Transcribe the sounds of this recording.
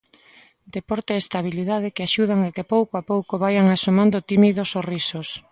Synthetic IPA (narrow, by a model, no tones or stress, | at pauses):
d̪epɔɾt̪eest̪aβ̞iliðað̞ɪkeaʃuð̞aŋekepowkoapowkoβajaŋasomãnd̪ot̪imiðosorisos